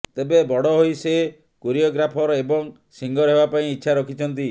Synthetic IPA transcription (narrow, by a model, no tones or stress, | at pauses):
t̪ebebɔɽɔɦojse | koɾiɔɡɾapʰɔɾɔebɔŋ | siŋɡɔɾɦebapaĩitːʃʰaɾɔkʰit͡ʃʰɔnt̪i